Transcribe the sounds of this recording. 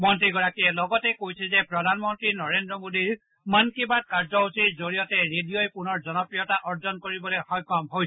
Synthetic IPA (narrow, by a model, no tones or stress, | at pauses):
mɔntɹiɡɔɹakiɛlɔɡɔtɛkojsʰɛzɛpɹɔdʱanmɔntɹinɔɹendɹɔmodiɹ | mankibad̚kaɹzɔɦusiɹzoɹijɔtɛɹedijojpʊnɔɹzɔnɔpɹijɔtaʔɔɹzɔnkoɹibɔlojxɔjkɔmɦoj